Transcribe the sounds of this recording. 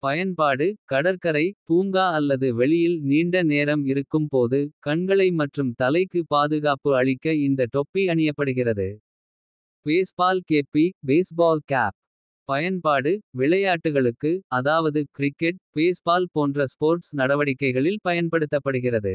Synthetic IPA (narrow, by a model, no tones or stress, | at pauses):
pɐjɐnpaːɽɯkɐɽɐɾkɐɾɐɪpuːŋɡaːɐlːɐðɯʋɛɭɪjɪlniːɳɖɐneːɾɐmɪɾɯkːɯmpoːðɯkɐɳɡɐɭɐɪmɐʈrɯmt̪ɐlɐɪkːɯpaːðɯɣaːpɯɐɭɪkːɐɪnd̪ɐʈ̪ɔpːiɐɳɪjɐpːɐɽɯɣɪrɐðɯ | peːspaːlkeːpːibeːsbaːlkaːp̚ | pɐjɐnpaːɽɯʋɪɭɐjaːʈːɯɣɐɭɯkːɯɐðaːʋɐðɯkɾɪkːɛʈ̚peːspaːlpoːndrɐspoːɾʈsnɐɽɐʋɐɽɪkːɐɪɣɐɭɪlpɐjɐnpɐɽɯt̪ːɐpːɐɽɯɣɪrɐðɯ̰